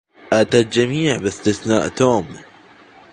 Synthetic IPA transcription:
ʔat̪ald͡ʒamiːʕbɪst̪ɪθnaːʔt̪oːm

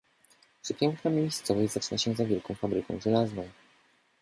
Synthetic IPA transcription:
pʂɘpʲjɛŋknamʲejst̪sɔvɛjzat͡ʂɘnaɕɛ̃zavʲjɛlkɔ̃w̃fabɾɘkɔ̃w̃ʐɛlaznɔ̃w̃

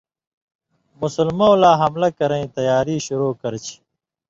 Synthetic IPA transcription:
musulmõwlaːɦɐmlɐkɐɾẽĩt̪ɐjaːɾiːɕuɾoːkɐɾt͡ɕʰi̥

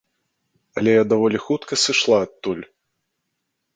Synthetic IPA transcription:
ɐlʲɛjad̪avɔlʲixut̪kɐsɨʂlˠaːt̪ːulʲ

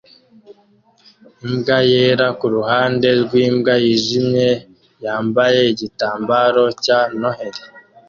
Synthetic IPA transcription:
imbɡajeːɾakuɾuhaːnde̞ɾɡwiːmbɡajiʒimɲe̞ | jaːmbaje̞iɟitaːmbaɾo̞cano̞heɾe

